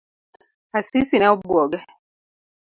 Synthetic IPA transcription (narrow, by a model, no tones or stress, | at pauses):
asisinaubwɔɡa